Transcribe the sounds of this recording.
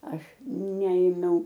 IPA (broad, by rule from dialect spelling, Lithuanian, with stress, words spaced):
ˈɐʃ ˈnʲɛeːmʲɛʊ